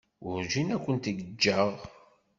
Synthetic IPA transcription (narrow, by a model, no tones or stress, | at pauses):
ʊɾʒinækʷːənt̪əɡəd͡ʒːəʁ